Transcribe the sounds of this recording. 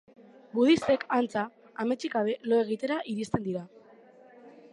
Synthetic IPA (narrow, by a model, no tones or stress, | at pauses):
buðise̞kant͡saː | me̞t͡ʃiɣaβe̞lo̞e̞ɣ̞it̪e̞ɾaʔiɾist̪e̞nd̪iɾa